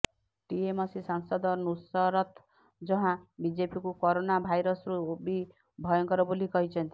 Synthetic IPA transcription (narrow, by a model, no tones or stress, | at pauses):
ʈiemɔsisɔnsɔd̪ɔnusɔɾɔt̪ | d͡ʒɔɦãbid͡ʒepikukɔɾonabʱajɾɔsɾuobʱi | bʱɔjɔŋkɔɾɔbolikɔɦit͡ʃʰɔnt̪i̥